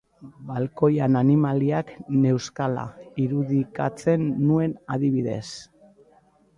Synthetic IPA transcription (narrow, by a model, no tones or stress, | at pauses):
balko̞jananimaliakne̞wskala̰iɾuðika̰t͡se̞nːue̞naðiβiðe̞̰s